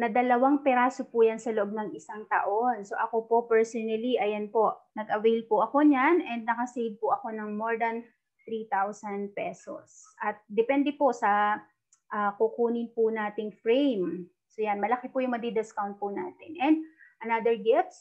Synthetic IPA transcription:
nɐd̪ɐlɐwaŋpɛɾaːsopujansɐloʔo̞b̚nɐŋɪsaŋt̪ɐ̰ʔo̞nso̞ʔɐko̞po̞pɛɹsonɐliʔɐjɐnpo̞ʔnɐɡʔɐwejl̚pʊʔɐko̞ɲanʔɛnd̪̚nɐkɐsejv̚pʊʔɐko̞nɐŋmoɹd̪ɐn | t̪ɾit̪awsɐnd̪̚pɛso̰sʔɐt̪̚d̪ɛpɛnd̪ɛpo̞sɐ | ʔaːkʊkuːnɪnpʊnaːt̪ɪŋfɹɛjm | sojanmɐlɐkɪpʊjʊŋmɐɡ̚d̪ɪd̪ɪskawnt̪̚pʊna̰ːt̪ɪnʔɛnd̪̚ʔɐnad̪ɛɹɡɛft̪s

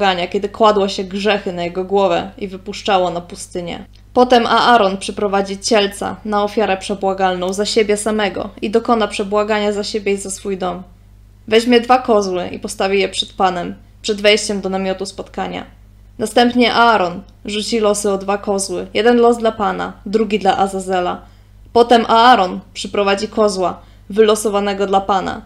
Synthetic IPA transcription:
ɡaɲakʲɛd̪ɘkwad̪wɔɕɛɡʐɛxɘnajɛɡɔɡwɔvɛ̰ivɘpuʂt͡ʂawɔnapust̪ɘɲɛ̰ | pɔt̪ɛmʔaaɾɔnpʂɛpɾɔvad͡ʑit͡ɕɛlt̪sa̰naɔfʲjaɾɛpʂɛbwaɡalnɔ̃w̃zaɕebʲjɛsamɛɡɔ̰id̪ɔkɔnapʂɛbwaɡaɲazaɕebʲjejzasfujd̪ɔm | vɛʑmʲjɛd̪vakɔzwɘʔḭpɔst̪avʲijɛpʂɛt̪panɛm | pʂɛd̪vɛjɕt͡ɕɛmd̪ɔnamʲjɔt̪uspɔt̪kaɲa̰ | nast̪ɛmpɲɛʔaaɾɔn | ʐut͡ɕilɔsɘɔd̪vakɔzwɘjɛd̪ɛnlɔzd̪lapana̰d̪ɾuɡʲid̪laʔazazɛla̰ | pɔt̪ɛmʔaaɾɔnpʂɘpɾɔvad͡ʑikɔzwa | vɘlɔsɔvanɛɡɔd̪lapana̰

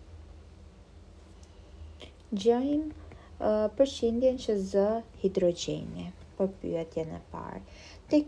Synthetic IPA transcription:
d͡ʑɔm | pəɾʃind̪jɛnt͡ɕəzəhid̪ɾɔd͡ʒɛ̰nipɔɾpy̰ɛt̪jɛnɛ̰pa̰ɾ | t̪ɛ

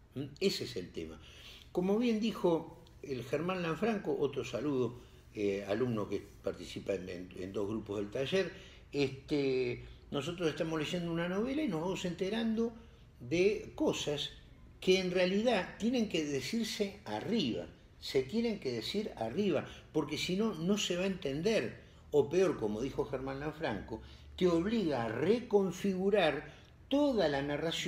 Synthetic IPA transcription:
eseeselt̪ḛma̰ko̞mo̞βje̞nd̪ixo̞ | elxeɾmãnlaɱfɾaŋkoʔot̪ɾo̞saluð̞o | ealumnokepaɾt̪isipa̰nḛnd̪o̞ɦɣɾupo̞zðe̞lt̪aʒeɾ | eht̪eno̞s̬o̞t̪ɾoseht̪amosle̞ʒe̞nd̪ounano̞βelaino̞ɦβamo̞se̞nt̪eɾand̪o̞ | ðeko̞sas | keːnrealiðat̪jene̞ŋkeðesiɾsea̰riβa̰ | se̞t̪je̞ne̞ŋkeðesiɾa̰riβapo̞ɾkesino̞no̞seβaent̪e̞nd̪eɾ | o̞peo̞ɾko̞mo̞ðixo̞xeɾmãnlaɱfɾa̰ŋko̞ | keo̞βliɣaːreko̞ɱfiɣuɾaɾ | t̪o̞ðalanaras

